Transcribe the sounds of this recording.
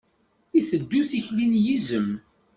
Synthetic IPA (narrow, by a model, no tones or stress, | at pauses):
iθəd̪ːuθiçlinjizəm